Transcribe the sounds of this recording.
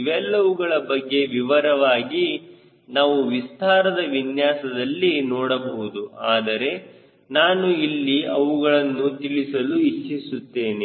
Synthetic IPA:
ʋɛlːɐʋuɡɐɭɐbɐɡːe̞ʋiʋɐɾɐʋaːɡi | naːʋuʋist̪aːɾɐd̪ɐʋinjaːsɐd̪ɐlːinɔːɽɐbɐɦud̪uaːd̪ɐɾe̞ | naːnuilːiɐʋuɡɐɭɐnːut̪iɭisɐluit͡ʃːisut̪ːe̞ːne

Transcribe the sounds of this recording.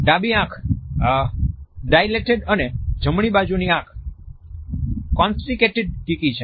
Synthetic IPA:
ɖabiãkʰ | ɖajleʈeɖəned͡ʒʱəmɽ̃ibad͡ʒuniãkʰ | kːɔnsʈikeʈeɖ̚ʈikit͡ʃʰe

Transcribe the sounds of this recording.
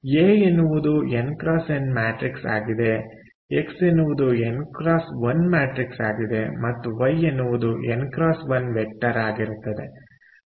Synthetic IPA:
jeːenːuʋud̪uenkɾaːse̞nmaːʈɾiksa̰ːɡid̪e̞ | eksenːuʋud̪uenkɾaːsʋɐnmaːʈɾiksa̰ːɡid̪e̞mɐt̪ːuʋɐjenːuʋud̪uʔenkɾaːsʋɐnʋek̚ʈɐɾaːɡiɾut̪ːɐd̪e̞

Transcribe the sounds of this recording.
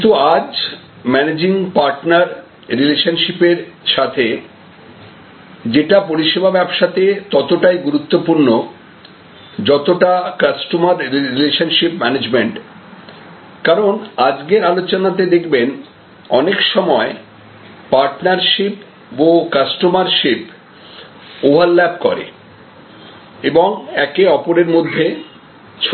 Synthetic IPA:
it̪uad͡ʑ | mɛned͡ʑiŋpaɾʈnaɾ | ɾileʃanʃipeɾʃat̪ʰe | d͡ʑeʈapoɾiʃebʱabɛbʃat̪et̪ɔt̪oʈajɡuɾut̪ːopuɾno | d͡ʑɔt̪oʈakasʈomaɾːileʃanʃipmɛned͡ʑmeɳʈ | kaɾonad͡ʑɡeɾalot͡ɕonat̪̬ed̪ekʰben | ɔnekʃɔmɔe | paɾʈnaɾʃip | bokasʈomaɾʃip | obʱaɾlɛb̚kɔ̰ɾḛ | eboŋɛkeɔpoɾeɾmod̪ʱːe | t͡ɕʰ

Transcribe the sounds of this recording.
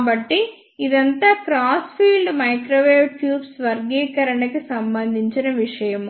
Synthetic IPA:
bɐʈːi | id̪ɐnt̪ɐkɾaːspʰiːlɖmɐjkɾoːʋeːʋʈjuːbsʋɐɾɡɛːkɐɾɐɳɐkisɐmbɐnd̪ʱiɲt͡ʃɐnɐʋiʂɐjɐm

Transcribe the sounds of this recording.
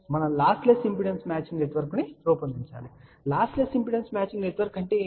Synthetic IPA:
mɐnɐmlaːsʈlesimpiɽensmaːt͡ʃiŋɡneʈʋɐɾkuniɾoːpɐnd̪iɲt͡ʃa̰ːli | laːsʈlesimpiɽensmaːt͡ʃiŋɡneʈʋɐɾkɐɳʈe̞ː

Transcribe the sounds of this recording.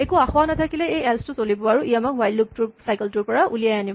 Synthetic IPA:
ekʊaxɔwanatʰakilɛejɛlstʊsolibɔaɹuʔijamakwajlːup̚tʊɹsajkɛltʊɹpɔɹaʔulijajanib

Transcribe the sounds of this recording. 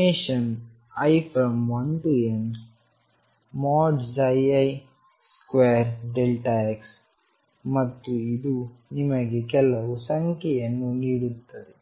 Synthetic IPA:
eːʃɐn | ɐjpʰɐmond̪ujen | maːɖd͡ʒɐjɐj | skʋeːɾɖelʈaeks | mɐt̪ːuid̪unimɐɡekɛlɐʋusɐŋkɛjɐnːuniːɽut̪ːɐd̪e

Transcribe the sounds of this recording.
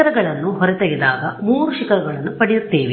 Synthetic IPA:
ɐɾɐɡɐɭɐnːuɦɔɾɛt̪ɐɡid̪aːɡɐmuːɾuʃikɐɾɐɡɐɭɐnːupɐɽiɾt̪ːeːʋi

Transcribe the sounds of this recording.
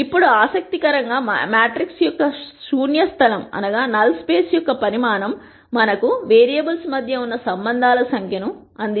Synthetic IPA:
ipːuɽuaːsɐk̚t̪ikɐɾɐŋɡaːmjaːʈɾiksjɔkːɐsuːnjɐst̪ʰɐlɐmɐ̰nɐɡaːnɐlspeːsjɔkːɐpɐɾimaːnɐmː | ɐnɐkuʋeːɾijɐbɐlsmɐd̪ʱjɐunːɐsɐmbɐnd̪ʱaːlɐsɐŋkʰjɐnu | ɐnd̪i

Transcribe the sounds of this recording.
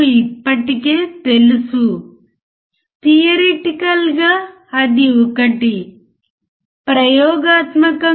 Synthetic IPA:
ipːɐʈike̞ːt̪e̞lusu | t̪ijɐɾeʈikɐlɡaː | ɐd̪iɔkɐʈi | pɾɐjɔːɡaːt̪mɐkɐ

